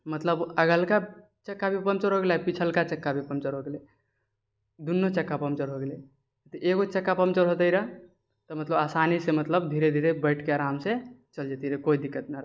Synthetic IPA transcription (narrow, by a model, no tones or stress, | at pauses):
mət̪ləbəɡəlka | t͡ʃəkːabʱipəmt͡ʃəɾɦoɡelapit͡ʃʰəlkat͡ʃəkːabʱipəmt͡ʃəɾɦoɡele | d̪unːot͡ʃəkːapəmt͡ʃəɾɦoɡele | t̪ʔeɡot͡ʃəkːapəmt͡ʃəɾɦot̪əɾa | t̪ɔmət̪ləbasanisemət̪ləbd̪ʱiɾed̪ʱiɾebəɪʈʰkeaɾamset͡ʃəld͡ʒet̪iɾekoid̪ikːət̪naɾa